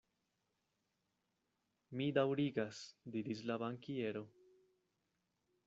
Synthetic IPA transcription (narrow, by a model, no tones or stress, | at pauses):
midawɾiɡasdiɾis̬labaŋkie̞ɾo̞